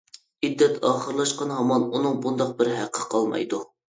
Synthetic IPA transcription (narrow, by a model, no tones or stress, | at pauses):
id̪ːɛt̪ʰɑːχəɾlˠɑʃqɑnɦɑmɑnunɨŋbund̪ɑq̚bɪɾɦæqʰːə̥qʰɑlˠmɑ̰jd̪u